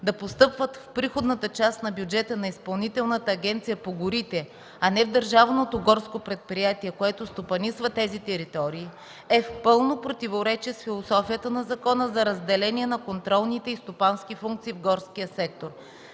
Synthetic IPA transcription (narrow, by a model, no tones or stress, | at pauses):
d̪ɐpost̪ɤpvət̪fpɾixod̪nət̪ət͡ʃast̪nɐbjud͡ʒɛt̪ənɐispɐlˠnit̪ɛlˠnət̪əːɡʲɛnt̪sijəpoɡʊɾit̪ɛ | ɐnɛvd̪əɾʒavnot̪oɡɔɾskopɾɛt̪̚pɾijat̪iɛkoɛt̪ost̪opɐnisvət̪ɛzit̪ɛɾit̪ɔɾiː | ɛfpɤlˠnopɾot̪ivoɾɛt͡ʃɛsfilˠosɔfijət̪ənɐzɐkɔnəzɐɾɐzd̪ɛlɛniɛnɐkont̪ɾɔlˠnit̪ɛist̪opanskʲifuŋk̚t̪siːvɡɔɾskijəsɛk̚t̪oɾ